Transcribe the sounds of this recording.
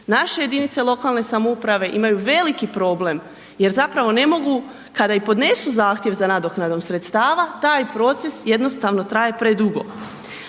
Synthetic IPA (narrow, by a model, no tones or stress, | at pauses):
naʃe̞je̞d̪init̪se̞lˠo̞kalˠne̞samoupɾaʋe̞ʔimajuʋe̞likipɾo̞ːble̞m | je̞ɾzapɾaʋo̞ne̞mo̞ɡu | kad̪aipo̞d̪ne̞suzaːxt̪je̞ʋzanad̪o̞knad̪o̞msɾe̞t̪st̪aːʋat̪aːjpɾo̞t̪se̞sje̞d̪no̞st̪aʋno̞t̪ɾaje̞pɾe̞d̪uɡo̞̰